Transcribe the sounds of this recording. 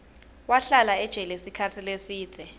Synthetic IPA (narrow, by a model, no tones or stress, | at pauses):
waɬalaɛd̥ʒ̥ʱɛlesikʰatʰilesiːd̥ʱɛ